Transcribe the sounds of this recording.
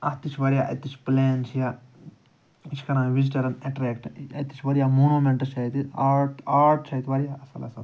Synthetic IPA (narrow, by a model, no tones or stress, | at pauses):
ɐ̰t̪it͡ʃʰʋɐɾijaːʔɐ̰t̪it͡ʃʰpleːnt͡ʃʰijaː | it͡ʃʰkɐɾãːʋid͡ʒiʈɐɾɐneʈɾeːkʈɐ̰t̪ːi̥t͡ʃʰʋɐɾijaːmoːnuːmẽɳʈɐt͡ʃʰɐit̪iaːʈaːɾʈt͡ʃʰɐit̪iʋɐɾijaːɐsɐ̰lɐ̰sɐt̪